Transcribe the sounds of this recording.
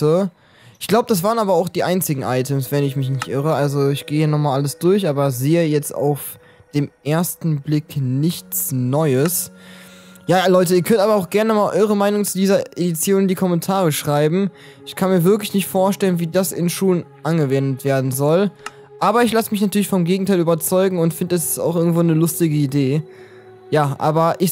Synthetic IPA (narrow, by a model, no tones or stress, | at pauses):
ə | ʔɪçɡ̥laʊbədas̬v̥aːʁənaːbɐaʊxd̥iːʔaɪnt͡sɪɡŋ̩ʔa̰ɪtʰəmsv̥ɛnɪçmɪçnɪçtʔɪʁ̞əʔalzoɪçɡ̥eːhiːɐnɔχmaːlʔaləsd̥ʊɐçʔaːbɐzeːəjɛt͡sta̰ʊf | d̥eːmʔeːɐstn̩blɪknɪçt͡snɔʏəs | jaːlɔʏtəiːɐkʰœntaːbɐaʊxɡ̥ɛɐnəmaːlʔɔʏʁ̞əmaɪnʊŋt͡sudiːzɐʔedit͡sjoːndiːkʰɔmɛntʰaːʁ̞əʃʁ̥aɪbm̩ | ʔɪçkʰanmiːɐvɪɐklɪçnɪçtfoːɐʃtɛlənviːdasɪnʃuːlənʔanɡəvɛndətv̥eːɐdn̩zɔl | ʔaːbɐɪçlasəmɪç̬natʰyːɐlɪçfɔmɡeːɡŋ̩tʰaɪlyːbɐt͡sɔʏɡŋ̩ʊntfɪndədasɪ̥sta̰ʊxʔɪɐɡŋ̩tv̥oːnəlʊstɪɡəideː | jaːʔa̰ːbɐʔɪç